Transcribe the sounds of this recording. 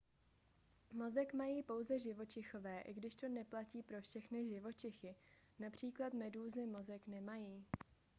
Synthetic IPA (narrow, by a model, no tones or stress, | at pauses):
mo̞zɛkmajiːpo̞wzɛʒɪvo̞t͡ʃɪxo̞vɛːʔɪ̰ɡdɪʃt̪o̞nɛplaciːpɾo̞fʃɛxnɪʒɪvo̞t͡ʃɪxɪ | napr̝̥iːklat̪mɛduːzɪmo̞zɛknɛmajiː